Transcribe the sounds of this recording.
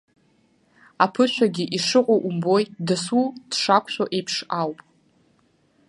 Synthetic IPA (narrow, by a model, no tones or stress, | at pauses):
apʰɨʃʷᶣaɡʲiʔiʂɨqʷʼoʔumbo̞jdɨsud̥ʂakʷʰʼɕʷᶣoʔejpʰʂawpʼ